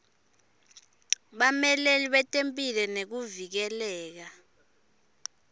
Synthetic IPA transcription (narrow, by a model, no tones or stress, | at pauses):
ɓamɛleliɓɛtʼempʼilɛnek̬uvik̬ɛlɛːk̬a